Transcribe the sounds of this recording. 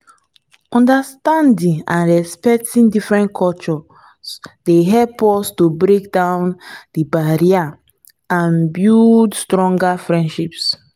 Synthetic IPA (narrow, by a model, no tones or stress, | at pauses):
ɔ̃ndastãndĩŋã̰nɹɛspɛk̚tʰĩndifɹɛ̃nkʰɔlt͡ʃɔ | sdeɦɛlpɔstobɹekdãʊ̃ndibaɹia | ãnbjudstɹɔ̃ŋɡafɹɛ̃ndʃips